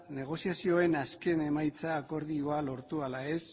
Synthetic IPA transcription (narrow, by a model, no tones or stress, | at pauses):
ne̞ɣ̞o̞siasio̞e̞naske̞ne̞majt͡saːko̞ɾðioalo̞ɾt̪ualae̞s